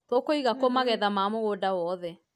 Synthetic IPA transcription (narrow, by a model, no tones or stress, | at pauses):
tokoiɣakomaɣɛðamamoɣodawɔðɛ